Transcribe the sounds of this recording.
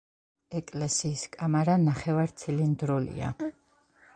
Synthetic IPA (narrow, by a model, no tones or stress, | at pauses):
ɛkʼlɛsiːskʼamaɾanaχɛvaɾt̪sʰilind̪ɾulḭa̰